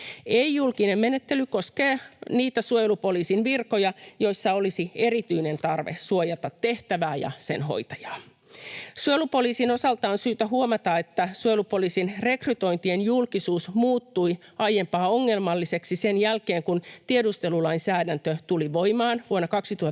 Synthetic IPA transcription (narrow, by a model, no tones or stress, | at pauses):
eijulkinemmenet̪ːelykoskeːniːt̪æsuojelupo̞liːsinʋirkojɑjo̞isːɑolisie̞ɾit̪yine̞nt̪ɑrʋḛssuojɑt̪ɑt̪ːeht̪æʋæːjɑ̰sḛnɦo̰jt̪ɑjɑː | suojelupoliːsinosɑlt̪ɑːnsyːt̪æɦuomɑt̪ɑet̪ːæsuojelupo̞liːsinre̞kryt̪o̞int̪ienjulkisuːsmuːt̪ːuiɑjempɑːoŋːe̞lmɑlːise̞ksisenjælkeːŋkunt̪iedust̪e̞lulɑinsæːdænt̪øt̪uliʋo̞imɑːnʋuonːɑkɑksit̪uhɑ